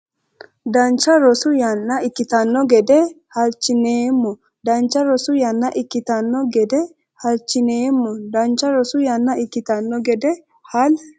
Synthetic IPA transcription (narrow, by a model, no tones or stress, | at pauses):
d̪ɐnt͡ʃːɐɾɔsʊjɐnːɐɪkːɪt̪ɐnːɔɡɛd̪ɛ | hɐlt͡ʃːɪneːmːɔ | d̪ɐnt͡ʃːɐɾɔsʊjɐnːɐʔɪkːɪt̪ɐnːɔɡɛd̪ɛ | hɐlt͡ʃːɪneːmːɔd̪ɐnt͡ʃːɐɾɔsʊjɐnːɐɪkːɪt̪ɐnːɔɡɛd̪ɛ | hɐl